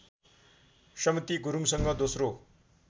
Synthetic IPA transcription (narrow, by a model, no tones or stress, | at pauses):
sʌmit̪iɡuɾuŋsʌŋɡʌd̪osro